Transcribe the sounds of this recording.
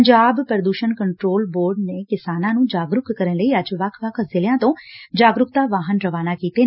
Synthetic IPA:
ɲd͡ʒaːbpəɾəd̪uːʃəɳkəɳʈɾoːlboːɾɖneːkɪsaːnãːnũːd͡ʒaːɡɾʊkkəɾənləiːəd͡ʒʋəkʰʋəkʰzɪlɪjãːt̪õːd͡ʒaːɡɾʊkt̪aːʋaːɦənɾəʋaːnaːkiːt̪eː

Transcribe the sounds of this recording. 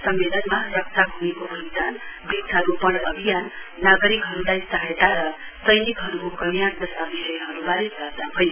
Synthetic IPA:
sʌmːelʌnmarʌk̚t̪aɦunekobʱʌd͡zanbiksʰaɾupʌɽʌbʱijanːaɡʌɾikɦʌɾulajst̪aɦet̪aɾʌ | sʌjnikɦʌɾukokʌnijand̪ʌst̪abisʌjʌɦʌɾubaɾesʌt̪abʱʌj

